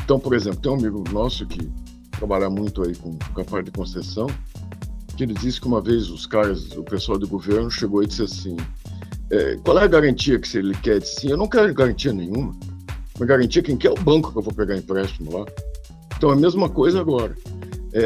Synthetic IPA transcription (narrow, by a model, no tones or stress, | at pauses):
ẽt̪ɐ̃w̃poɾezẽplʊt̪ẽj̃amiɡʊnɔsʊkɪ | t̪ɾabaʎamũj̃t̪ʊaikõkapaɾd̪ɪkõsesɐ̃w̃ | kɪelɪd͡ʒiskɪũmɐvezʊskaɾɐzʊpesuawd̪ɪɡoveɾnʊʃeɡowɐd͡ʒizeɾasĩ | ɛ̰kwawɛɐɡaɾɐ̃nt͡ʃiɐkɪ̥sɪelɪkɛɾd͡ʒisĩewnɐ̃w̃kɛɾʊɡaɾɐ̃nt͡ʃiɐnẽjɲ̃ũmɐmɐzɡaɾɐ̃nt͡ʃiɐkẽj̃kɪɛʊbɐ̃ŋkʊ̥kɪewvopeɡaĩpɾɛst͡ʃimʊla | ẽt̪ɐ̃w̃ɛmezmɐkojzɐaɡɔɾɐɛ